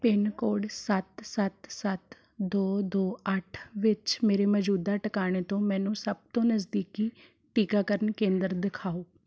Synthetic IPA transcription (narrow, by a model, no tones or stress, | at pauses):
pɪnkoːɖsət̪sət̪sət̪ | d̪oːd̪oːəʈʰʋɪt͡ʃmeːɾeːmɔd͡ʒuːd̪aːʈəkaːɽ̃eːt̪õːmɛ̃ːnũːsəb̚t̪õːnəzd̪iːkiː | ʈiːkaːkəɾəɳkẽːnd̪əɾd̪ɪkʰaːoː